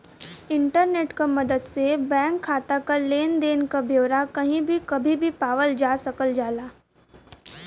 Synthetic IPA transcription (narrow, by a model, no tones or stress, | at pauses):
ɪ̃ɳʈəɾneːʈkamɐd̪əd̪sebɛ̃ːŋkʰːaːt̪akaleːnd̪eːnkabʱjoːʋɾakɐɦĩbʱikɐbʱibʱipaːʋəld͡ʒaːsɐkəld͡ʒaːlaː